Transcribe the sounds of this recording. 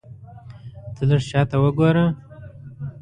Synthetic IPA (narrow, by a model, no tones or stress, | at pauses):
t̪ələʂt͡ʃɑt̪awəɡoɾə